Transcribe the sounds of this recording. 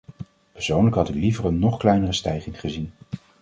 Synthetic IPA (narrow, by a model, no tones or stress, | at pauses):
pəɹsownləkɦɑtɪklivərənːɔχklɛjnərəstɛjχɪŋχəzin